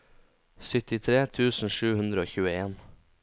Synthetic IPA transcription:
sʏt̪ɪt̪ʰɾeːt̪ʰʉːsn̩ʃʉːhʉnd̪ɾəoːçʉːəeːn

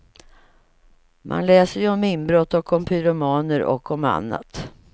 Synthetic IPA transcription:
mʔa̰nlɛːsəɾjɔmɪnbɾɔt̪ːɔkʰːɔmpʰʏɾʊmɑːnəɾʔɔ̰kːɔma̰nːa̰t̪

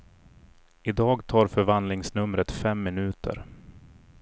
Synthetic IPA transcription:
ɪd̪ɑːɡt̪ʰɑːɾfœɾvand̪lɪŋsnɵmɾət̪fɛmːɪnʉ̟ːt̪ʰə̰ɾ

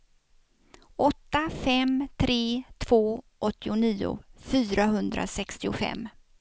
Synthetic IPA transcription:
ʔɔt̪ːafɛmt̪ʰɾeːt̪ʰv̥oː | ʔɔt̪ːɪʊniːʊ̰fyːɾaɦɵnd̪ɾʔa̰sɛkst̪ɪʊfɛ̰mː

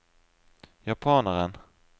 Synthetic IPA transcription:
japʰɑːnəɾən

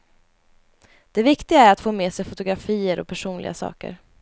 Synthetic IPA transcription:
d̪̥ɛvɪkt̪ɪɡaæɾat̪foːmeːsɛjfʊt̪ʊɡɾafiːəɾɔ̰pʰæʂuːnlɪ̰ɡasɑ̰ːkə̰ɾ

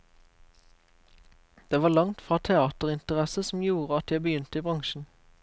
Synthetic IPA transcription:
d̪̥eːʋɑːlɑŋt̪fʁɑːt̪ʰɛɑːt̪əʁɪnt̪əʁɛsəsm̩juːʁəɑt̪jæɪbəjʏnt̪əiːbʁɑŋʃn̩

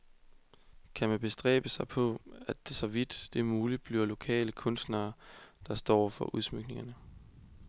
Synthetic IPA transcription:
kʰæmænb̥e̝sd̥ʁɛ̰ːb̥əsɑ̈ɪpʰɒ̽æd̥esɒ̽ʋid̥ːe̝muːlid̥̚b̥liɐlo̝kʰɛ̰ːləkʰɔ̽nsd̥nɐːd̥ɑ̈sd̥ɒ̰ːfɒ̽ʔuð̞ˠsmyɡ̥ne̝ŋɐnə

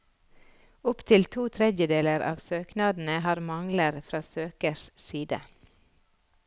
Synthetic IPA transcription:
ʊpt̪ʰɪlt̪ʰuːt̪ʰɾɛd̪jəd̪eːləɾʔɑ̰ːʋsøːknɑːd̪n̩əhɑːɾmɑŋləɾfɾɑːsøːkəʃsiːd̪ə̰

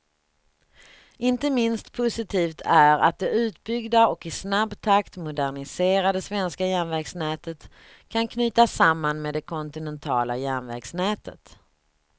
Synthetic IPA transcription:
ɪnt̪əmɪnst̪pʰʊsɪt̪ʰiːft̪ʰæɾa̰t̪̚d̪ɛʉ̟ːt̪̚bʏɡd̪aɔkɪsnabːt̪ʰakt̪mʊd̪æɳɪseːɾad̪əsvɛnskajænvɛɡsnɛːt̪ʰət̪ | kʰankʰnyːt̪asamːanmeːd̪ɛkʰɔnt̪ɪnɛnt̪ʰɑ̰ːla̰jænvɛ̰ɡsnɛːt̪ʰə̰t̪

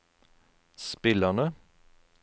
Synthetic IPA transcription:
spɪlənə

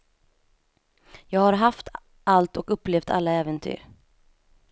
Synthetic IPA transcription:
jɑːɡhaɾɦaft̪ | alt̪ɔkɵpːleːft̪ʰa̰lːaɛːvənt̪ʰy̰ːɾ

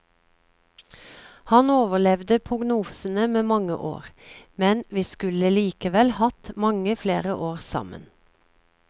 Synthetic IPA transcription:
hɑnoːʋəlɛʋd̪əpʰʁʊɡnuːsən̩əmeːmɑŋə̰ʔo̰ːʁmɛnʋiːskʉləliːkəʋɛlhɑt̪mɑŋəfleːʁəʔoːʁsɑ̰mə̰n

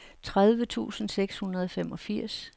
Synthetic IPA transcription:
t͡sʰʁað̞ˠʋət͡sʰṵːsn̩seɡ̥shunɐð̞ˠɒ̽femɒ̽fiɐ̰s

